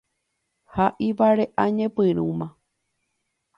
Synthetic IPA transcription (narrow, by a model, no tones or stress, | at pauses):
haʔiʋaɾeʔaɲẽpɨɾũmã